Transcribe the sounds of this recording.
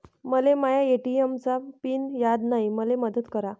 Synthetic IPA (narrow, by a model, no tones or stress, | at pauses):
məlemajaeʈiemt͡sapiːnjad̪naɦiməleməd̪ət̪kəɾa